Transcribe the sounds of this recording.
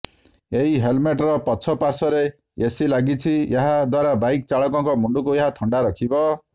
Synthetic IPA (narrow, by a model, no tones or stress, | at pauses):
eɦiɦelmeʈɾɔpɔsʰɔpaɾsɔɾe | esilaɡit͡ʃʰieɦad̪waɾabajk̚t͡saɭɔkɔŋkɔmuɳɖukueɦat̪ʰɔɳɖaɾɔkʰibɔ